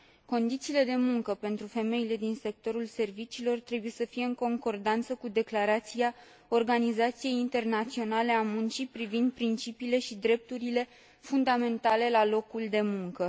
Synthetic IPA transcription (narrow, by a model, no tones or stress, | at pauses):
ko̞nd̪it̪siːle̞d̪e̞muŋkəpe̞nt̪ɾufe̞me̞jile̞d̪inse̞k̚t̪o̞ɾulse̞rvit͡ʃiːlo̞rt̪ɾe̞buje̞səfije̞ɨŋko̞ŋko̞rd̪ant̪səkud̪e̞klaɾat̪sia | o̞rɡanizat̪sije̞jint̪e̞rnat̪sio̞nale̞amunt͡ʃipɾivind̪̚pɾint͡ʃipiːle̞ʃid̪ɾe̞p̚t̪uɾile̞ | fund̪ame̞nt̪ale̞lalo̞kuld̪e̞muŋkə